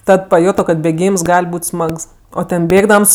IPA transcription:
ˈtɐt pɐˈjʊtoː kɐt bʲeːˈɡʲiːms ˈɡɐlʲ ˈbuːtʲ ˈsmɐks ˈoː ˈtʲɛn ˈbʲeːɡdɐms

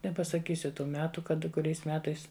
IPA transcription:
nʲɛpɐsɐˈkʲiːsʲʊ ˈtuː ˈmʲæːtʊ ˈkɐt kʊˈrʲɛɪs ˈmʲæːtɐɪs

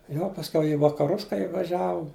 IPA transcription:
jɛʊ pɐsʲˈkʲɛʊ ɪ ʋɐkɐˈrʊs kɐɪ ɪʋɐˈʒʲæːʋʊm

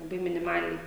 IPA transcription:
lˠɐˈbɐɪ mʲɪnʲɪˈmɑːlʲɛɪ

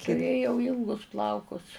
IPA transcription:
tʊˈrʲeːjɛʊ ˈiːlˠɡʊs ˈplˠɐʊkʊs

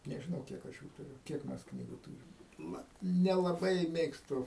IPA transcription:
nʲɛʒʲɪˈnɐʊ ˈkʲiɛk ɐʃ juː tʊˈrʲʊ ˈkʲiɛk mʲɛs ˈknʲiːɡʊ ˈtuːrʲɪm ˈnɐ nʲɛlˠɐˈbɐɪ ˈmʲeːkstʊ

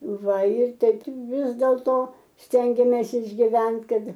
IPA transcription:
ˈʋɐ ɪr ˈtʲɛɪp ˈʋʲɪs dʲeːlˠtoː ˈsʲtʲɛŋʲɡʲeːmʲeːs ɪʒʲɡʲɪˈʋʲɛnt ˈkɐt

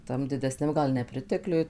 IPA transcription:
ˈtɐm dʲɪdʲɛsʲˈnʲɛm ˈɡɐlˠ nʲɛˈpʲrʲɪtʲɛklʲʊj

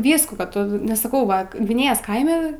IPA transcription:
ˈʋʲiːskuː kɐ ˈtʊ nʲɛs sɐˈkɐʊ ˈʋɐ ɡʋʲɪˈnʲeːjoːs ˈkɐɪmʲɛ

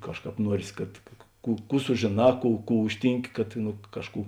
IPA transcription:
ˈkɑːʃˌkɑːp ˈnuɔrʲeːs kɐt ˈkuː ˈkuː sʊʒʲeːˈnɑː ˈkuː ˈkuː ˈʊʃʲtʲiːŋʲˌkʲɪ kɐt nʊ ˈkɑːʃˌkuː

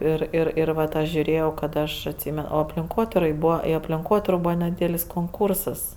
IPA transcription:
ˈɪr ˈɪr ɪr ˈʋɐt ˈɐʃ ʒʲʊˈrʲeːjɛʊ kɐt ˈɐʃ ɐtʲˈsʲiːmʲɛn oː ɐpʲlʲɪŋˈkoːtʲɪrɐɪ ˈbuːʋɐ ɪ ɐpʲlʲɪŋˈkoːtʲɪroː ˈbuːʋɐ nʲɛˈdʲiːdʲɛlʲɪs koːŋˈkʊrsɐs

